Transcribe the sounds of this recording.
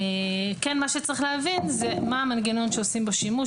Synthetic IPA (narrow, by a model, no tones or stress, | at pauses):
ekɛnmaʃet͡saʁiχleɦavinzemaamanɡeno̞nʃeosimbaʃimu